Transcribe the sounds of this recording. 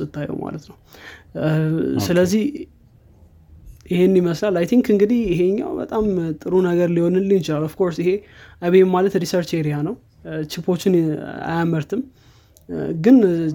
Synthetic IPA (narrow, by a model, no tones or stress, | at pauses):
ɨt̪ʰːajo̰ma̰lət̪nəw | sɨləzːih | ɪhe̞nniməslalajt̪ʰiŋkɨŋɡɨd̪ihjɪɦe̞ɲːa̰wbə̰t̪ʼamt̪ʼɨɾunəɡəɾlihonɨnlɨnɪt͡ʃɪlalɔfkʰo̞ɾsɪhe̞ʔaβemalət̪ɾisəɾt͡ʃe̞ɾijanəw | t͡ʃɪpʰo̞t͡ʃːɪna̰jaməɾt̪ʰɨm | ɡɨn